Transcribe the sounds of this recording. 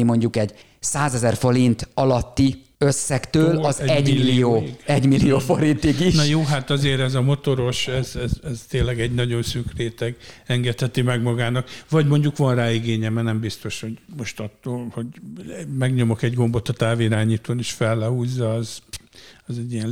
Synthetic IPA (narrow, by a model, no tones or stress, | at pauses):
imo̞ɲɟukɛɟ | saːzɛzɛrfo̞ɾint̪ɒlɒt̪ːi | øsːɛkt̪øːlɒzɛɟmilːioːɛɟmilːijoːfoɾint̪iɡinɒjoːɦat̪ɒzeːɾɛzɒmo̞t̪o̞ɾo̞ʃɛzɛzɛzt̪eːnlɛɡɛɟnɒɟo̞nsyːkreːt̪ɛɡɛŋɡɛt̪hɛt̪imɛɡmɒɡaːnɒkʋɒɟmo̞ɲɟukʋɒnraːiɡeːɲɛmɛnɛmbist̪o̞ʃho̞ɟmo̞ʃt̪ɒt̪ːoːlho̞ɟmɛɡɲo̞mokɛɟɡo̞mbo̞t̪ːɒt̪aːviiɾaːɲiːt̪oːniʃfɛlːɛɦuːzːɒːz | ɛzɛɟːiɛ